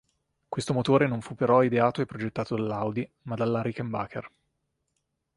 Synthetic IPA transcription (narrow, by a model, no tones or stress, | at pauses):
kwest̪omot̪oːɾenoɱfupːeɾɔid̪eaːt̪oepːɾod͡ʒet̪ːaːt̪od̪alːawd̪i | mad̪alːaɾikemba̰ːker